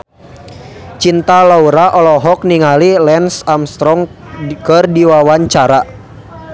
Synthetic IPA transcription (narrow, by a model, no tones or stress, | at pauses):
t͡ʃint̪alauɾaʔɔlɔɦɔk̚niŋalilɛnsamst̪ɾɔŋ | kɨrdiwawaɲt͡ʃaɾa